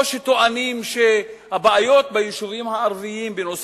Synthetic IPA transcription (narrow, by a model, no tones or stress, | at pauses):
ʃet̪oanimʃe | habaajo̞t̪̚bajiʃuvimhaːʁviimbenos